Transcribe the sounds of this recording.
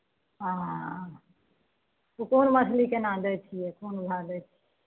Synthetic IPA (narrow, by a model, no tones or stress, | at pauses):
ɦã | ukoːnməslikenãːnd̪ɛt͡ʃʰiɛkoːnbʱaːd̪ɛt͡ʃʰi